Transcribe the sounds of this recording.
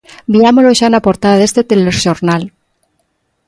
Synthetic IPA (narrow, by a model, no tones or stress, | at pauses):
biamoloʃanapoɾt̪aðaðe̞st̪et̪eleʃoɾnal